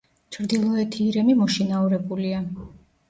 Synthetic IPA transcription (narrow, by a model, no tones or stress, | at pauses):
t͡ʃʰɾd̪ilˠɔɛt̪ʰiːɾɛmimɔʃinaɔɾɛbulia